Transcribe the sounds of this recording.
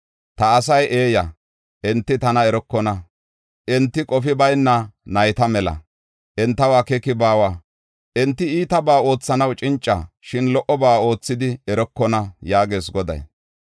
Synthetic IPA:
t̪ɐːsɐjʔe̞ːjɐ | ʔɛnt̪ːɪt̪ɐnɐɛɾɔkːɔnɐ | ʔɛnt̪ːɪkʼɔfɪbɐjnːɐnɐjt̪ɐmɛlɐ̰ | ʔɛnt̪ːɐwaːkɛkɪbaːwaː | ʔɛnt̪ːɪiːt̪ɐbaːo̞ːt͡sːɐnɐwt͡ʃʼɪnt͡ʃʼːɐ̰ʃɪnlɔʔɔbaːo̞ːt͡sːɪd̪ɪɛɾɔkːɔnɐjaːɡe̞ːsɡɔd̪ɐ̰j

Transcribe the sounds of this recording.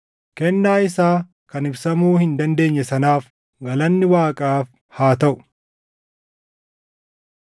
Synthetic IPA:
kɛnːaːɪsaː | kɐnɪbsɐmuːhɪnd̪ɐnd̪e̞ːɲːɛsɐnaːf | ɡɐlɐnːɪwaːkʼaːf | haːt̪ɐʔʊ̥

